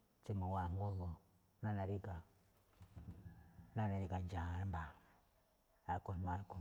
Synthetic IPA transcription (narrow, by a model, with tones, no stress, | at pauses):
t͡si˦ma˨wa˨ŋo˦lo˨˦ | na˦na˨ɾi˦ɡa˨˦ | na˦na˨ɾi˨ɡa˨n˦d͡ʒa˨a˨˦ɾmba˨ | a˨˦˨ko˨n˨ma˦ku˦˨